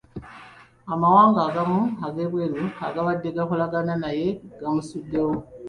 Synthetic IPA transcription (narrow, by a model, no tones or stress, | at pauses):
amawaːŋɡaːɡamuaɡe̞βwe̞luaɡaβadːe̞ɡaxolaɡananaje̞ɡ̥amusudːe̞wo